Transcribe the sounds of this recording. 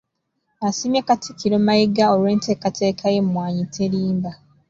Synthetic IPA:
asimjekatʰikiɾomajiɡaoɾwe̞ːnte̞ːkatʰe̞ːkʰajemumwaːɲitʰeɾiːmba

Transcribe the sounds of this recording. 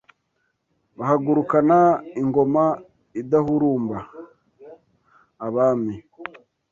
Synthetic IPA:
βahaɡuɾukanaiŋɡo̞ma | idahuɾuːmba | βaːmi

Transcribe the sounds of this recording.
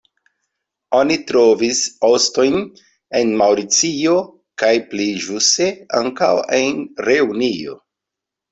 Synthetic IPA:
o̞nitɾo̞viso̞sto̞jn | enmawɾit͡sio̞ | kajpliʒuste̞a̰ŋkawenɾe̞unio̞̰

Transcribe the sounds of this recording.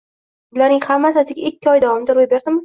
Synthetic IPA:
bʊlaɾnɪŋhamːasasɪɡʲaɪkʲʰːɪɒjd̪avɒmɪd̪aɾojbe̞ɾd̪ɪmɪ

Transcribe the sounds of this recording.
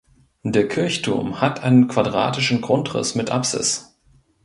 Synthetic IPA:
deːɐkʰɪɐçtʰṵɐmhatʔaɪnənkv̥adʁa̰ːtɪʃn̩ɡʁʊntʁɪ̰smɪtʔa̰psɪ̰s

